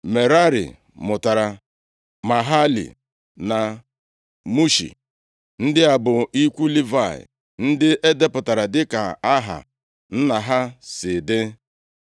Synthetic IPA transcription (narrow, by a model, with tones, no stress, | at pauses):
me˨ɾa˦ɾḭ˨ | mʊ˨ta˨ɾa˨ | ma˨ɦa˦lḭ˨ | na˨ | mu˦ʃḭ˨ | n̩˦dɪ˦a˨bʊ˨i˦kʷu˦li˦va˦˨ɪ̰˨ | n̩˦dɪ˦ʔe˦de˦pʊ˨ta˨ɾa˨dɪ˦ka˨a˦ɦa̰˨ | n̩˦na˨ɦa˦sɪ˨dɪ˦